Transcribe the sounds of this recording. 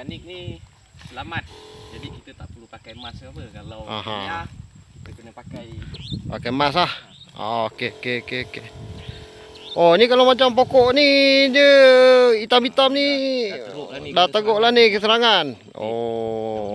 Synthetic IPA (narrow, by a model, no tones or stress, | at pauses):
anik̚ni | səlamat̪̚d͡ʒadikit̪ət̪aʔpəlupakajmasəkalaa̰ɦã̰ | təkənəpkajpa̰kajmas̬lah | o̰ʔkekekeke | ʔonikalamat͡ʃampokɔʔnid͡ʒə | it̪ambit̪amni | dat̪aɡoʔlanikəsəɾaŋan | o̰